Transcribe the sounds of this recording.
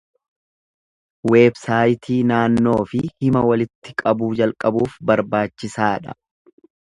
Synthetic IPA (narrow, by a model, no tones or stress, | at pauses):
we̞ːbsaːjt̪ʰiːnaːnːo̞ːfɪhɪmɐwɐlɪt̪ːɪkʼɐbuːd͡ʒɐlkʼɐbuːfbɐɾbaːt͡ʃːɪsaːᶑɐ̰